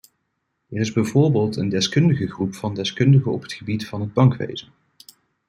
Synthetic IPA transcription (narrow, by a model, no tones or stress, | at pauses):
ɛrɪzbɛjvʊːɹbeːlˠtəndɛskɵndəχəχrupfɑndɛskɵndəχəɔ̰pɦə̥tχəbitfɑnɦəd̚bɑŋkʋḛjzən